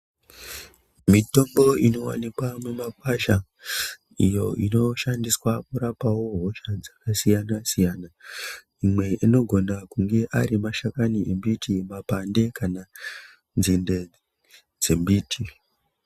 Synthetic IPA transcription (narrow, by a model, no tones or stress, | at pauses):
mito̞mbo̞ino̞wa̰nikwamwemakwaʃa | ḭjo̞ʔino̞ʃandiswakuɾapawo̞ɦo̞ʃad͡zakasijanasijana | imwe̞ʔino̞ɡʱo̞nakuŋɡe̞ʔaɾimaʃakaniʔe̞mbitʰimapande̞kana | nzinde̞ | d͡ze̞mbiːtʰi